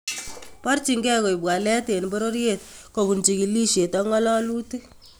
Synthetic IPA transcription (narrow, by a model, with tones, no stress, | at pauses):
pa˦rt͡ʃi˨ŋɡɛ˦ko˨i˨bwa˨lɛ˦te˨n˨bo˦ɾo˦ɾje˦˨t̚ko˨ku˨nt͡ʃi˨ki˨li˦ʃe˨tɔ˦ŋɔ˦lɔ˦lu˦te˦